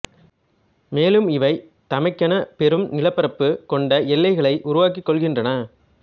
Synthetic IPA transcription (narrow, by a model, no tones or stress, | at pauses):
meːlɯmɪʋɐɪ | t̪ɐmɐɪkːɐnɐpɛɾɯmnɪlɐpːɐɾɐpːɯkɔɳɖɐɛlːɐɪɣɐɭɐɪʔʊɾʊʋaːkikːɔɭɣɪndrɐnɐ